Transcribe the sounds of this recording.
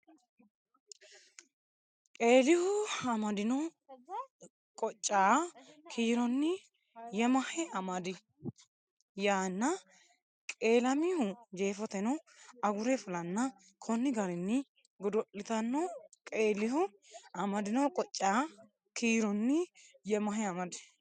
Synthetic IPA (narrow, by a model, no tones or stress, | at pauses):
kʼe̞ːlɪhʊɐmɐd̪ɪnɔw | kʼɔt͡ʃʼːaːkʰiːɾɔnːɪ | jɛmɐhɛɐmɐd̪ɪ | jaːnːɐ | kʼe̞ːlɐmɪhʊd͡ʒeːfɔt̪ɛnɔɐɡʊɾɛfʊlɐnːɐ | kʰɔnːɪɡɐɾɪnːɪ | ɡɔd̪ɔʔɪt̪ɐnːɔkʼe̞ːlɪhʊ | ɐmɐd̪ɪnɔwkʼɔt͡ʃʼːaː | kʰiːɾɔnːɪjɛmɐɦɛɐmɐd̪ɪ̥